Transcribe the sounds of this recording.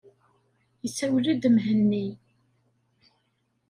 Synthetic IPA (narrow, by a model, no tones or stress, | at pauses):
jəsæwlid̪mɦənːi